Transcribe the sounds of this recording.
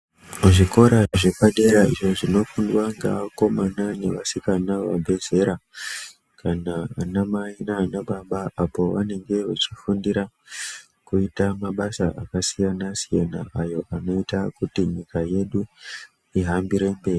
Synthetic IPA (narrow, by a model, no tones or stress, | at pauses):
uʐiko̞ɾaʐe̞paɗe̞ɾaiʐo̞ʐino̞fundwaŋɡa̰ako̞mananeʋasikanaʋabʱe̞ze̞ɾa | kanaːnamainaːnaɓaɓaʔapo̞ʋa̰ne̞ŋɡe̞ʋat͡ʃifundiɾa | kuitamaɓasaʔakasijanasijanaʔajo̞ʔano̞itakutiɲikaje̞ɗu | iɦambiɾe̞mbe̞ːri